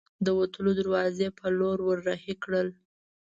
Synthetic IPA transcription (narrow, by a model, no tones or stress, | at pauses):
d̪əwat̪əlod̪aɾwɑzepəloɾwəɾːahikɽəl